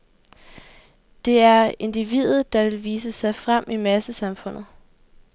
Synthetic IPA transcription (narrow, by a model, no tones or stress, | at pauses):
d̥e̝æɐe̝nd̥iʋḭðˠð̩ˠd̥ɑ̈ʋe̝lʋiːs̬əsɑ̈ɪfʁam̰ʔimæsəsɑ̈mfɔ̽n̰ð̩ˠ